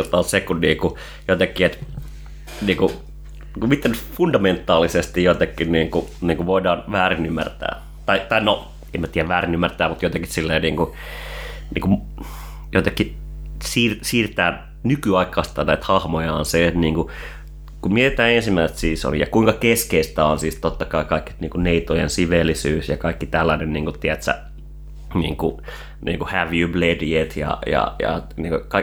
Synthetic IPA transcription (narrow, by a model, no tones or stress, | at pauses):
lt̪ɑːsekunniːku | jot̪ekːiet̪ | niːŋku | kumit̪ːænytfundɑment̪ːˑɑːlisest̪ijjot̪ekːinniːŋkuniːŋkuʋoidɑːnʋæːrinymːæ̰rt̪æ̰ː | t̪ɑit̪ɑino | emːæt̪iːæʋæːrinymːært̪æːmut̪jot̪ekissilːeːniːŋku | nḭːkum | jot̪ekːi | siːrsiːrt̪æː | nykyɑikˑɑːst̪ɑnæit̪hɑhmojɑːnset̪niːŋku | kumiet̪æːensimːæiset̪siːso̰lḭjɑkuiŋkɑkeskeist̪æonsiːst̪ot̪ːɑkɑikɑikːiniːŋkuneit̪ojensiʋelːisyːsjɑkɑikːit̪ælːænenniːŋkut̪iæt̪sæ̰ | nḭːŋku | nḭːŋkuhæʋjyblediet̪jɑ̰jɑ̰jɑ̰nḭːŋkokɑi